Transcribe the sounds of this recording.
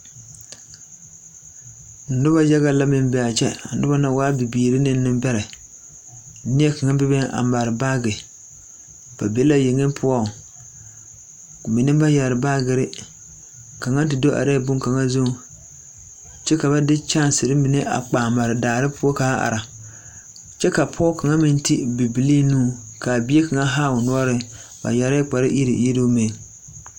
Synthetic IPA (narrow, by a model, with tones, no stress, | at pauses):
n̩˨˦dʊ˦ba˦d͡ʒa˦ɣa˦la˦mɪ˦mbɛ˨a˨t͡ʃɛ̰˦n̩˦dʊ˦ba˦na˦waː˦bi˨biː˨ɾɪ˦nɪ˦nɪ˦mbɛ˦ɾɛ˨˦ | ni˦ɛ˦ka˨ŋa˦bɪ˦bɛ˦ʔa̰˨ma˨ɾɪ˨ba˦ɡɪ˨ | b̥a̰˨be˦la˦je˨ŋɪ˦mpʰʊ˦ɔ˦˨ | mi˨nɪ˦ba˦ja˨ɾɪ˨ba˦ɡɪ˨ɾɪ˦ | ka˨ŋa˦n˦tɪ˨do˦ʔa̰˨ɾɛ˦bʊ˦ŋka˨ŋa˦zʊ˦ŋ˨ | t͡ʃɛ˦ka˨βa˦dɪ˦t͡ʃa˦n˨sɪ˨ɾɪ˦mi˨ne˦ʔa̰˨k͡paː˨ma˨ɾɪ˨daː˨ɾɪ˦pʊ˦ɔ˦ka˨˦a̰˨ɾa˨ | t͡ʃɛ˦ka˨pʰɔː˦ka˨ŋa˦mɪ˦n˦ti˦bi˨bi˨li˦nũː˦˨ka˨bɪ˦e˦ka˨ŋa˦ɦa˦˨wʊ˨nʊ˦ɔ˦ɾɪ˦ba̰˨ja˨ɾɛ˦k͡pa˨ɾɪ˦ʔi˦ɾɪ̰˨ji˦ɾo˦mɪ˨n